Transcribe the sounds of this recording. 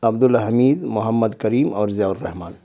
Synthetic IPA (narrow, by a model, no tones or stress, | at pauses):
ɐbd̪ʊlɦɐmiːd̪mʊɦəmːəd̪kɐɾiːmɔːɾzijaːuɾːɐɦmaːn